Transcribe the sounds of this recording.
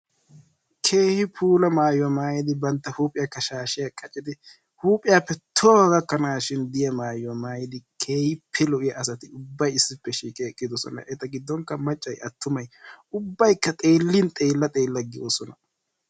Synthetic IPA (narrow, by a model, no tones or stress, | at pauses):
kʰeːhɪpʰuːlɐmaːjwɐmaːjɪd̪ɪbɐnt̪ːɐhuːpʼɪjɐkːɐʃaːʃɪjakʼɐt͡ʃʼɪd̪ɪ | huːpʼɪjaːpːɛt̪ʰɔwɡɐkːɐnaːʃɪnd̪ɪjɐmaːjwɐmaːjɪd̪ɪkʰe̞ːhɪpʰːɛlɔʔɪjɐʔːsɐt̪ɪʊbːɐjɪsːɪpːɛʃiːkʼekʼːɪd̪ɔsɔ̰nɐ̰ʔɛt̪ːɐɡɪd̪ːɔŋkːɐmɐt͡ʃʼːɐjʔɐt̪ʰːʊmɐjʊbːɐjkːɐt̪ʼe̞ːlːɪnt̪ʼe̞ːlːɐt̪ʼe̞ːlːɐɡɪjɔsɔnɐ